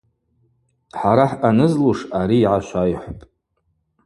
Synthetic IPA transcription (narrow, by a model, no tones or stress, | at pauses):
ħaɾaħanɨzluʂaɾiːʕaʃʷajħʷpʼ